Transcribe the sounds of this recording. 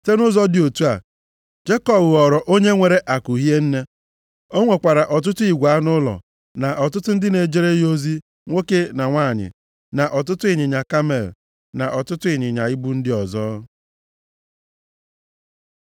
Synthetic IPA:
te˦nʊ˦zɔ˦dɪ˨o˨tu˦a̰˨ | d͡ʒe˦kɔ˦bʊ˨ɔ˨ɾɔ˨ʔo˦ɲe˦ŋʷe˨ɾe˨ʔa˨kʊ˨ɦi˦e˦n̩˦ne˦ | o˦ŋʷe˨kʷa˨ɾa˨ʔɔ˨t̬ʊ˦tʊ˦i˨ɡʷa˨˦nʊ˦lɔ̰˨ | na˨ʔɔ˨tʊ˦tʊ˦n̩˦dɪ˦ne˨d͡ʒe˦ɾe˦jo˦zi˦ | ŋʷo˦ke˦na˨ŋʷa˦˨ɲɪ̰˨ | na˨ʔɔ˨t̬ʊ˦tʊ˦ɪ˨ɲɪ˨ɲa˨ka˦me˦˨l | na˨ʔɔ˨tʊ˦tʊ˦ɪ˨ɲɪ˨ɲa˨ɪ˦bu˦n̩˦dɪ˦ɔ˨zɔː˦

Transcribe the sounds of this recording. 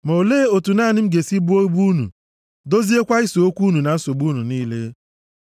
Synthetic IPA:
mo˨leː˦o˨tu˨naː˦˨nɪ˦m̩˦ɡe˨si˦bu˦o˦ɡ͡bu˦nṵ˨ | do˦zi˦e˦kʷa˦i˦so˨o˦kʷu˦nu˨na˨n̩˦so˨ɡ͡bu˦nu˨niː˦le˦

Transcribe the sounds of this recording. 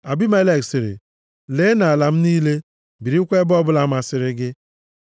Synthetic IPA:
a˨bi˦ma˦le˦˨ksɪ˨ɾɪ̰˨ | leː˨˦na˨la˨m̩˦niː˦le˦ | bi˨ɾi˦kʷe˦bɔ˦bʊ˦la˨˦ma˨sɪ˨ɾɪ˦ɡɪ˦

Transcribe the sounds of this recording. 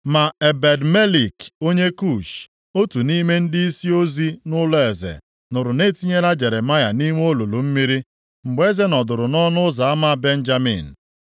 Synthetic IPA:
ma˨e˨be˨dme˦li˨ko˦ɲe˦ku˦˨ʃ | o˦tu˨ni˦me˦n̩˦di˦i˦si˦o˦zi˦nʊ˦lɔ˦e˨zḛ˨ | nʊ˨ɾʊ˨ne˦ti˦ɲe˦ɾa˦d͡ʒe˨ɾe˨ma˦ja˨ni˦ŋʷ˦o˦lo˨lo˨m̩˦mi˦ɾi˦ | ŋ͡m̩˨ɡ͡be˦ze˦nɔ˨dʊ˨ɾʊ˨nɔ˦nʊ˦za˨a˦ma˦˨be˦n̩˦d͡ʒa˦mḭ˨n̩˨

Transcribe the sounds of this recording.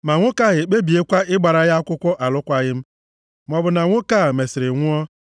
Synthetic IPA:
ma˨ŋʷʊ˦ka˦ɣɪ˨k͡pe˦bi˨e˦kʷa˦ɪ˦ɡ͡ba˨ɾa˨ja˦kʷʊ˦kʷɔ˦ʔa˨lʊ˦kʷa˦ɣɪ˦m̩˦ | m˦ɔ˨bʊ˨na˨ŋʷʊ˦ka˦˨me˨sɪ˨ɾɪ˨ŋʷʊ˦ɔ˦

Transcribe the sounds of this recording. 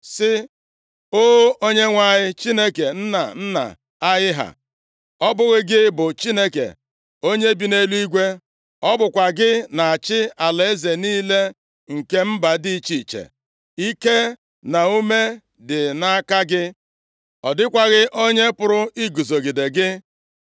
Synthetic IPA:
sɪ˦ | o˦o˦ɲe˦ŋʷa˦ɲɪ˦t͡ʃi˦ne˦ke˨n̩˦na̰˨n̩˦na̰˨ | a˦jɪ˦ɦa̰˨ | ɔ˦bʊ˦ɣɪ˦ɡɪ˦bʊ˨t͡ʃi˦ne˦kḛ˨ | o˦ɲe˦bi˨ne˦lu˦i˦ɡʷe˦ | ɔ˦bʊ˨kʷa˨ɡɪ˦na˨a˨t͡ʃɪ˦a˨la˨e˦ze˨niː˦le˦ | ŋ̩˨ke˦m̩˦ba˨di˦t͡ʃi˨t͡ʃḛ˨ | i˦ke˦ | na˨u˦me˦ | dɪ˨na˦ka˦ɡɪ˦ | ɔ˨dɪ˦kʷa˦ɣɪ˦ʔo˦ɲe˦pʊ˦ɾʊ˦i˦ɡu˨zo˨ɡi˨de˨ɡɪ˦

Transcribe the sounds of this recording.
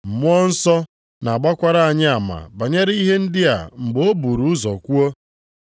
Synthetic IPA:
m̩˨mʊ˦ɔ˦n̩˦sɔ˦ | na˨a˨ɡ͡ba˦kʷa˦ɾa˦a˨ɲɪ˦a˨ma̰˨ba˨ɲe˦ɾi˦ɦe˦n̩˦dɪ˦a̰˨ŋ͡m̩˨ɡ͡bo˦bu˨ɾu˨˦zɔ̰˨kʷu˦o˦

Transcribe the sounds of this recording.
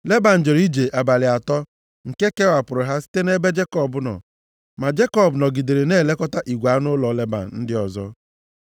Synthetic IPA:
le˦ba˨n̩˨d͡ʒe˨ɾi˦d͡ʒe˨ʔa˨ba˨lɪ˨a˨tɔ˦ | ŋ̩˨ke˦ke˦wa˨pʊ˨ɾʊ˨ɦa˦si̥˦te˦ne˦be˦d͡ʒe˦kɔ˦˨bʊ˦nɔ̰˨ | ma˨d͡ʒe˦kɔ˦˨bnɔ˨ɡi˨de˨ɾe˨neː˦˨le˦kɔ˦ta˦ʔi˨ɡʷa˨˦nʊ˦lɔ˨˦le˦ba̰˨n̩˨n̩˦dɪ˦ɔ˨zɔ̰˦

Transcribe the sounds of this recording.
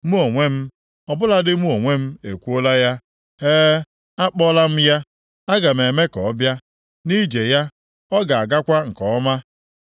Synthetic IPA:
mu˦o˨ŋʷe˦m̩˦ | ɔ˨bʊ˦la˦dɪ˦mu˦o˨ŋʷe˦m̩˦e˨kʷu˦o˦la˦ja˦ | eː˦ | a˦k͡pɔ˦la˦m̩˦ja˦ | a˦ɡa˨m˨e˨me˦kɔ˨ɔ˦bja˦ | ni˦d͡ʒe˨ja˦ | ɔ˦ɡa˨a˨ɡa˦kʷa˦ŋ̩˨kɔ˨ɔ˦ma˦

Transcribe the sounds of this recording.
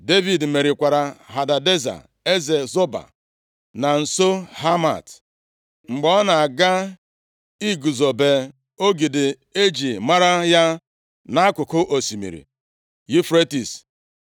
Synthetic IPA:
de˦vi˨dme˨ɾɪ˨kʷa˨ɾa˨ɦa˨da˨de˦za̰˨ | e˦ze˨zo˦ba̰˨ | na˨n̩˨so˦ha˦ma̰˨t | ŋ͡m̩˨ɡ͡bɔ˨ɔ˦na˨a˨ɡa˦ | i˦ɡu˨zo˨be˨ | o˦ɡi˨dɪ˨ | e˦d͡ʒi˨ma˦ɾa˦ja˦ | na˦a˦kʊ˨kʊ˦ʔo˨si˨mḭ˨ɾḭ˨ | ji˦fɾe˦ti˨s

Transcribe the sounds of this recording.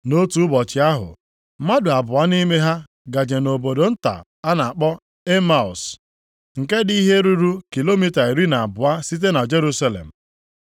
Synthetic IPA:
no˦tu˦ʊ˦bɔ˨t͡ʃɪ˨a˦ɦʊ̰˨ | ma˦dʊ˨a˨bʊ˨a˦ni˦me˦ɦa˦ | ɡa˨d͡ʒe˨no˨bo˨do˨n̩˦ta̰˨ | a˦na˨a˨k͡pɔ˦ | e˦ma˦˨ɔ˨s | ŋ̩˨ke˦di˦ɦe˦ɾu˦ɾu˦ki˨lo˦mi˦ta˨e˨ɾi˦na˨a˨bʊ˨a˦si˦t̬e˦na˨d͡ʒe˦ɾu˦sa˦lḛ˨m̩˨

